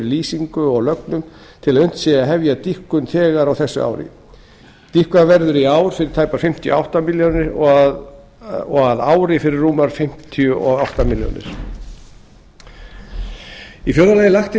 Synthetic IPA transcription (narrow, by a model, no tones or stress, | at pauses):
ɪɾliːsiŋkʏɔɣlœknʏmt̪ʰɪlaðʏn̥t̪sɛːaɦɛvjat̪ihkʏnθʰɛːɣaɾawθɛsːʏ̰a̰wɾɪ̰ | t̪ihkvavɛɾðʏɾiaːwɾ̥fɪɾɪɾ̥t̪ʰaːjpaɾ̥fɪm̥t̪ʰɪj̰a̰wht̪amiljonɪɾ | ɔɣaðaːwɾɪfɪɾɪrːuːmaɾ̥fɪm̥t̪ʰiʏʔɔɣawht̪amiljo̰nɪ̰ɾ̥ | ifjœːɾðalaːjɪlaxt̪ɪ